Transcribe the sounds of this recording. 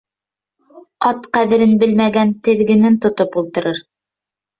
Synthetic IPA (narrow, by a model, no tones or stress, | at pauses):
ɑt̪qæðɘ̆ɾɘnbɘlmæɡænt̪ɘ̆ðɡɘ̆nɘnt̪ŏt̪opulˠt̪ɤ̆ɾɤɾ